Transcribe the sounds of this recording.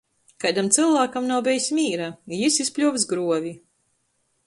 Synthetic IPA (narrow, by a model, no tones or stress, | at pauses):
kajd̪amt̪sɨlˠvaːkamnawbʲɛjsʲmʲiːɾajisispʲlʲuɔvs̬ɡɾuɔvʲi